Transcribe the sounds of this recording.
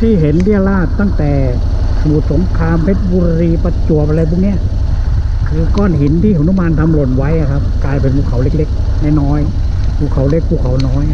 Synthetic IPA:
t̪ʰiː˧˥˩ɦe˨˦nli˥˩əlaː˥˩t̪ːa˥˩ŋt̪ɛː˨˩ | muː˨˩t̪̚so˨˩˦ŋkʰaː˧mpʰe˦˥t̪̚buː˧ɾa˧ɾiː˧pa˧t͡ɕu˨˩əpʔa˧ɾa˧jp̪ʰuː˧˩ŋni˦˥˩ɐ | kʰɯː˧kɔː˥˩nɦi˩˦nt̪ʰiː˥˩˨nu˧˥˨maː˧nt̪ʰa˧mlo˨˧˩nwa˦˥jʔa˨kʰa˦˥p̚kaː˧jp̬e˧npʰuː˧˩kʰa˨˩˦wle˧˦˥k̚le˦˥k̚ | naː˧˥˩jnɔː˦˥j | pʰuː˧˩kʰa˨˩˦wle˦˥˩k̚pʰuː˧˩kʰa˨˦wnɔː˦˥j

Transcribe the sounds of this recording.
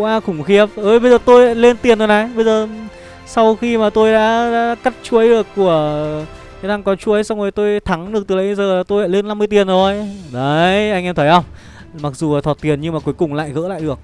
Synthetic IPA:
ʔaː˧kʊ˨˧˩ŋ͡mxi˧˦˥əp̚ʔəː˧˩ɓə˧jzəː˨˩t̪o˧jle˧nt̪i˨˩ənzo˨˩jna˨˩jɓə˧jzəː˨˩ | sa˧wxi˧maː˨˩t̪o˧jɗa̰ː˧˥ɗa̰ː˧˥ka˦˥t̚t͡ɕu˨˧˦ə˦jɗɨ˨˩əkːu˧˩ə | ka˨˦t̪ʰa˧ŋkɔ˨˦t͡ɕu˨˦ə˨˦jsa˧wŋ͡mzo˨˩jt̪o˧jt̪ʰa˨˦ŋɗɨ˨˩ək̪̚ɨ˨˩lə̰˧˨˦ə˧zəː˨˩laː˨˩t̪o˧ja̰ː˧˨le˧nːa˧mːɨ˧ət̪i˨˩ənzo˨˩jɗə˨˦jʔa˧ŋʔɛ˧mt̪ʰə˧˦jʔə˧wŋ͡m | ma˨˩k̚zu˨˩˨t̪ʰwːt̚t̪i˨˩ənɲɨ˧maː˨˩ku˨˦əjkʊ˨˩ŋ͡mla̰ː˧˨jɣə̰ː˧˥la̰ː˧˨jɗɨ˨˩ək̚

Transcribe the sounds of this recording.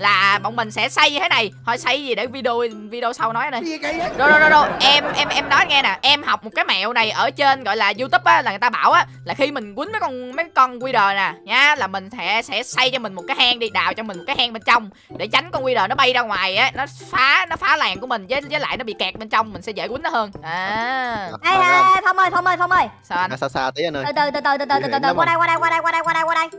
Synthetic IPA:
laː˨˩ɓə̰˧˨wŋ͡mmï˨˩ŋ̟sɛ̰˧˥sa˧jɲɨ˧t̪ʰe˨˦na˨˩jhɔ˧˩jsa˧jzi˨˩ɗe˧˩vi˧ɗo˧vi˧ɗə˧o˧sa˧wnɔ˨˦ja˧˦ɗə˧˦zo˧o˧˩o˧zo˧ʔɛ˧mʔɛ˧mʔɛ˧mnɔ˨˦jŋɛ˧naː˨˩ʔɛ˧mha˨˩wk͡p̚mo˨˩t̚kaː˨˦jmɛ̰˧˨wna˨˩jʔəː˧˩t͡ɕe˧nɣɔ̰˧˨jlaː˨˩zu˧t̪u˦˥p̚ʔaː˨˦laː˨˩ŋ˨˩t̪a˧ɓaː˧˩˨wʔaː˨˦ | laː˨˩xi˧mï˨˩ŋ̟kwi˨˦nmə˨˦jkɔ˧nmə˨˦kɔ˧nkwi˧ɗəː˨˩naː˨˩ɲaː˨˦laː˨˩mï˨˩ŋ̟sɛ̰˧˥sɛ̰˧˥sa˧jt͡ɕɔ˧mï˨˩ŋ̟mo˨˩t̚kaː˨˦haː˧ŋɗi˧ɗa̰ː˧˨wt͡ɕɔ˧mï̟˨˩mo˨˩kaː˨˦haː˧ŋɓe˧nt͡ɕa˧wŋ͡m | ɗe˧˩t͡ɕa˨˦jŋ̟kɔ˧nkwi˧ɗəː˨˩nɔ˨˦ɓa˧jzaː˧ŋwaː˨˩jʔə˨˦nɔ˨˦ | faː˨˦nɔ˨˦faː˨˦laː˨˩nku˧˩əmï˨˩ŋ̟zəː˨˦jzəː˨˦la̰ː˧˨jnɔ˨˦ɓḭ˧˨kɛ˨˩t̚ɓe˧nt͡ɕa˧wŋ͡mmï˨˩ŋ̟sɛ̰˧˥zḛ˧˩kwnɔ˨˦həː˧nʔaː˨˩ | ʔa˧ja˧jt̪wmhəː˧jt̪ʰɔ˧wməː˧jfʰɔ˧wməː˧˩jssa˧saː˧t̪ə˨˦˨ə˧ɨ˨˩t̪ɨ˨˩t̪ɨ˨˩t̪ɨ˨˩t̪ɨ˨˩t̪ɨ˨˩˨ɨ˨˩t̪ɨ˨˩kwaː˧ɗa˧kwaː˧a˧jkwaː˧ɗa˧jwaː˧ɗa˧jkwa˧ɗa˧jkwaː˧ɗa˧j

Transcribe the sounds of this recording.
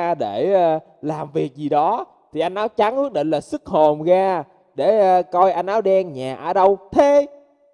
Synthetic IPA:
ɗe˧˩əː˧ | laː˨˩mvi˨˩ək̚zi˨˩ɗɔ˨˦ | t̪ʰi˨˩ʔa˧jn̟ʔaː˨˦wt͡ɕa˨˦ŋʔɨ˦˥k̚ɗḛ˧˨nlaː˨˩sɨ˦˥k̚ho˨˩mɣaː˧ | ɗeː˧˩˧kɔ˧jʔa˧jn̟ʔaː˨˦wɗɛ˧nɲaː˨˩ʔa̰ː˧˩ɗə˧wt̪ʰe˨˧˦

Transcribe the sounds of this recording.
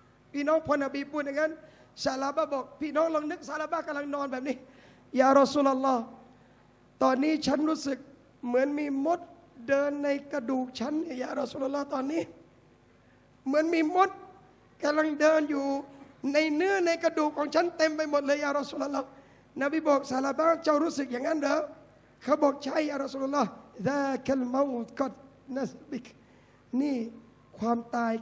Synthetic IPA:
pʰiː˧˥˩nɔː˦˥˩ŋpʰɔː˧nːa˧˩biː˧˩pʰuː˧˩t̪̚ja˧ŋa˦˥n | sa˧˩laː˧˦baː˧˥˩bɔː˨˩k̚pʰiː˧˩nɔː˦˥ŋlo˧ŋnɯ˦˥˩k̚sa˧˦laː˧˦baː˧˥˩ka˧la˧ŋnɔː˧nbɛː˨˩p̚niː˧˥˩ | jaː˨˧ɾɔ˧suː˧˩lʔa˧lːɔː˧˥˩ | t̪ɔː˧nːiː˦˥˩t͡ɕʰa˦˥˨nɾuː˦˥˩sɯ˨˩k̚ | mɯ˩˦ənmiː˧mo˦˥t̪̚ | dɤː˧nːa˧jka˧duː˨˩k̚t͡ɕʰa˦˥nːi˦˥˩ɐjaː˨˩ɾɔ˧su˧˩lʔa˧lːɔː˦˥˩t̪ɔː˧nːiː˦˥˨ | mɯ˩˦ənmiː˧˩mo˦˥t̪̚ | ka˧la˧˩ŋdɤː˧njuː˨˩na˧jnɯ˥˩ə˨na˧jkɾa˧duː˨˩kʰːɔː˨˦ŋt͡ɕʰa˦˥nt̪e˧mpa˧jmo˨˩t̪̚lɤː˧jaː˨˩ɾɔ˦˥suː˧˨lʔa˧˦lːɔː˧˥˩ | na˧˩biː˧˩bɔː˨˩k̚sa˨˦˩laː˧˩baː˦˥t͡ɕa˧˥˩wɾuː˥˩sɯ˨˩k̚jaː˨˩ŋːa˧˥˨ndɯː˨˧˦w | kʰa˧˩wbɔː˨˩k̚t͡ɕʰa˦˧˥jːaː˨˩ɾa˧˥su˧˨lʔa˧lɔː˧˥˨ðaː˦˧ka˧lma˧˦wt̪kɔ˧˩t̪̚ | na˧˨sbi˨˩k | niː˧˥˩ | kʰwaː˧mt̪aː˧j

